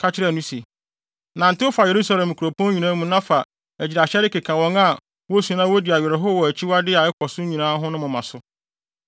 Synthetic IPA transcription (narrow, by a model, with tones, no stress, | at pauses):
kʰa˦t͡ɕʰɪ˦ɾɛ˦˨nũ˦se˨ | nã˨n̩˨tɪ˦ʊ˦fa˨je˨ɾu˦sa˦lɛ̃˨m˨kʰu˨ɾo˨pʰɔ̃˦ɲᶣi˨nãː˦mũ˦nã˦fa˨ | æ˨d͡ʑi˨a˨ɕɛ˦ɾɪ˦ke˨kʰã˨wɔ̃˦ŋa˦˨ | wɔ˦sũ˨˦nã˦wo˦di˨a˨ɥɛ˨ɾɛ˨ɦʊ˦wɔ˨æ˨t͡ɕʰi˦wa˦dɪ˦a˨ɛ˦kʷʰɔ˨sʊ˦ɲĩ˨nãː˦ɦʊ̃˦nʊ̃˦mʊ̃˨mã˨sʊ˦